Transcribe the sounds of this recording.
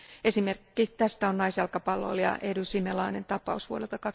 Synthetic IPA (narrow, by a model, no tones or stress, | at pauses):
esimerkːit̪æst̪æonɑisjɑlkɑpɑlːo̰ljɑ̰ʔedusimelɑːnent̪ɑpˑɑ̰usʋuolelt̪ɑkɑk